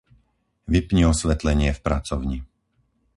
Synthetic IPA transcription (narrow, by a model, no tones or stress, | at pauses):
ʋipɲiɔsʋɛt̪lɛɲɪɛfpɾat͡sɔʊɲi